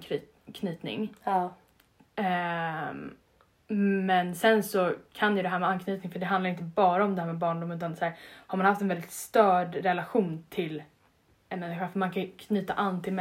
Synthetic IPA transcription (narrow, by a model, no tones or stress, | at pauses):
kʰnyːt̪nɪ̰ŋ | mɛnsɛnsɔkʰanjɵd̪ɛɦæːɾmɛankʰnyːt̪nɪŋfœɖɛɦand̪aɾɪnt̪̬əbɑːɾaɔmd̪ɛhæːmɛbɑːɳɖʊmːʉ̟ːt̪ansæːɾhaɾmanhaft̪ɛnvɛld̪ɪt̪st̪œːɖɾɛlaɧuːnt̪ʰɪl | ɛnmɛnːɪɧafœɾmankʰakʰnyːt̪a̰ʔanːt̪ʰɪlmɛ